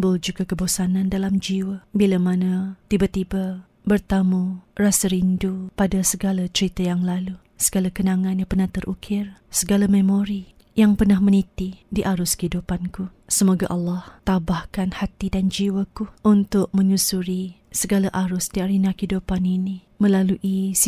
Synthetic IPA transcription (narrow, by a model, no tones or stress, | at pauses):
mbʊld͡ʒuɡakəbosanãndalamd͡ʒiwabilamanat̪ibat̪iba | bərt̪amurasəɾindupadasəɡalat͡ʃəɾit̪ajaŋlalu | səɡalakənaŋãnjaŋpərnaht̪ərʔukʰɪrsəɡalamə̃moɾi | jaŋpərnahmə̃nit̪idiʔaɾʊskəidupankusəmoɡaʔɑlːɑht̪abahkanhat̪idand͡ʒiwakuʔunt̪ʊʔ̚mə̃ɲusuɾi | səɡalaʔaɾʊsdiaɾinakidupanini | mə̃laluʔis